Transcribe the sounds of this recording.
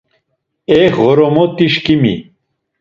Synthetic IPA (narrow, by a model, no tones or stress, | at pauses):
ekɣoɾomot̪iʃkimḭ